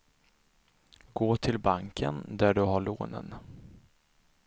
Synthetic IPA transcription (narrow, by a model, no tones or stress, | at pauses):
ɡ̥oːt̪ʰɪlbaŋkʰənd̪æɖɵɦaɭo̰ːnə̰n